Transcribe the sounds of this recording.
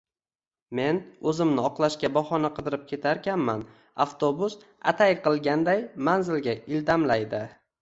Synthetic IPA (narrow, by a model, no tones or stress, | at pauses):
me̞nɵzɪmnɪɒqlˠaʃkʲabɒχɒnaqʰɨd̪ɪɾɪp̚kʲʰe̞t̪ʰaɾkʲanman | aft̪ʰobʊs | a̰t̪ʰajqɨlˠɡʲand̪ajmanzɪlɡʲaɪld̪amlajd̪ɪ